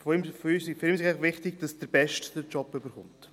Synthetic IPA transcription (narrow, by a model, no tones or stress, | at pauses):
fɔimfɔysɪfɾiːmsɪafχʋɪχtɪɡd̥ɑsd̥əɾb̥ɛʃtd̥əɾt͡ʃɔpːʏbəɾχʊmt